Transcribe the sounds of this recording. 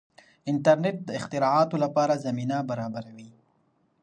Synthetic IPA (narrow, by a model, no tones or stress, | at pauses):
ɪnʈaɾneʈ̚d̪əɪxt̪ɪɾɑɑt̪olapɑɾazaminabaɾɑbaɾawi